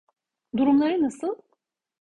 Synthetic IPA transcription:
d̪uɾumlˠaɾɯnasɯlˠ

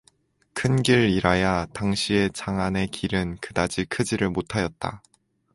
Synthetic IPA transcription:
kʰɯnɡiɾiɾajataŋɕʰie̞t͡ɕaŋane̞kʰiɾɯnkɯdad͡ʑikʰɯd͡ʑiɾɯɭmotʰajʌt̚t͈a̰

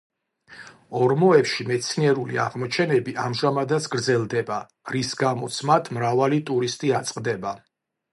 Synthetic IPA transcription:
ɔɾmɔɛpʃimɛt̪sʰniɛɾuliaʁmɔt͡ʃʰɛnɛbiʔamʒamad̪at̪sʰɡɾd̪zɛlˠd̪ɛba | ɾisɡamɔt̪sʰmat̪ʰmɾavalit̪ʼuɾist̪ʼiat̪sʼqʼd̪ɛba

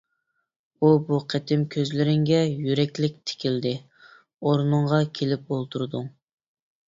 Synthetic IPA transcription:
ubuqʰɛt̪ʰɪmkʲʰøzlɪɾɪŋɡʲɛjyɾɛkʲlɪk̚ʲt̪ʰɪ̥kʲild̪ɪ | oɾnɨŋʁɑkʲʰelɪp̚olˠt̪ʰuɾd̪uŋ

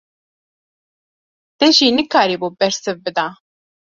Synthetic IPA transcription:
t̪ɛʒiːnɨkaːɾiːbuːbɛɾsɨvbɨd̪aː

